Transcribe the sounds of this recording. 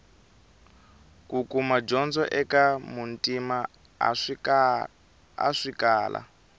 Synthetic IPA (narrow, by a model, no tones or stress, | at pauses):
kukumad͡ʒɔnd͡zɔ̰ʔɛkamuntʼima | a̰ʂikaːlʔa̰